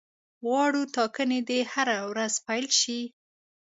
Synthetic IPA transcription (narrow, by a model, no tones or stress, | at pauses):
ɣɑɽut̪ɑkəned̪ehaɾawɾazpajlʃi